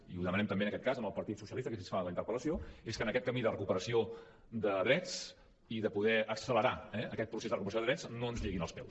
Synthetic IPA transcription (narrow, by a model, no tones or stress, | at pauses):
iuðəmənɛmt̪əmbeənəkɛt̪̚kazəmbəlˠpəɾt̪it̪susiəlist̪əkesensfaləint̪əɾpələsioeskənəkɛt̪̚kəmiðərəkupəɾəsio | d̪əðɾɛt͡s | iðəpuðɛʔəksələɾaɛəkɛt̪̚pɾusezðərəkupəɾs̬joðəðɾɛt͡snoənzʎeɣinəlˠspɛw